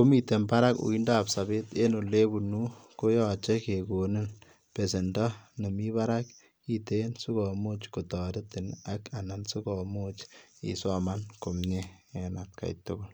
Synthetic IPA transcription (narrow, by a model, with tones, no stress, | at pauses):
ko˦mi˨te˨mba˦ɾa˦kṵ˨i˦nda˦psa˨be˦te˦no˨le˦bunu˦ko˦jɔt͡ʃɛ˦keko˨nɪ˦n | pe˨se˨ndɔ˦ne˨mi˦ba˦ɾak | itensu˦kɔ˨mot͡ʃko˨tɔɾɪ˦tɪ˨naka˨na˨nsu˦kɔmo˦t͡ʃḭ˨sɔ˦manko˨mɲe | ɛnat̚ka̰˨jtʊɡʊl